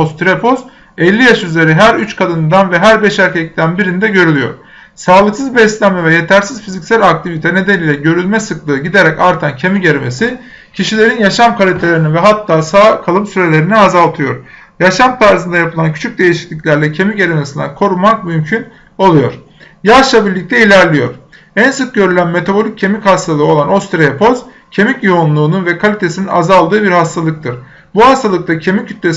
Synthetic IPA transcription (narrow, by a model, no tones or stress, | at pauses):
ost̪ʰɾepʰo̞s | ɛlʲːijaʃyzle̞ɾiɦæɾyt͡ʃkʰad̪ɯnd̪anvɛɦæɾbɛʃæɾʲcʰɛc̚t̪ʰænbiɾind̪ɛɟø̞ɾylʲyjo̞̰ɾ̥ | saːlˠɯksɯzbɛst̪lʲæmɛvɛje̞t̪ʰæɾsiz̥fizicʲsælʲak̚t̪ʰivit̪ʰɛne̞d̪æniːlʲɛɟø̞ɾylʲmɛsɯklˠɯːɟid̪e̞ɾɛcaɾt̪ʰancʰemiɟeɾime̞si | cʰiʃilʲe̞ɾinjaʃamkʰalʲit̪ʰelʲeɾinivɛɦat̪ʰːaːsaːkʰalˠɯmsyɾe̞lʲe̞ɾiniazalˠt̪ʰɯjo̞̰ɾ̥ | jaʃamt̪ʰaɾzɯnd̪ajapʰɯlˠancʰy̥t͡ʃʰyc̚d̪e̞jiʃi̥clʲiclʲæɾlʲɛcʰe̞miɟe̞ɾemesind̪a̰kʰo̞ɾumak̚mymcʰyn | o̞lˠujo̞ɾ̥ | jaʃlˠabiɾlʲic̚t̪ʰɛilʲæɾlʲijo̞ɾ̥ | ænsɯk̚ɟø̞ɾylʲænme̞t̪ʰabo̞lʲic̚cʰe̞michast̪ʰalˠɯo̞lˠano̞st̪ɾeepʰo̞z | cʰe̞micjionlˠuːnunvɛkʰalʲit̪ʰe̞sininazalˠd̪ɯːbiɾhast̪ʰalˠɯk̚t̪ʰɯɾ̥ | buhast̪ʰalˠɯk̚t̪ʰacʰe̞micʰyt̪lʲes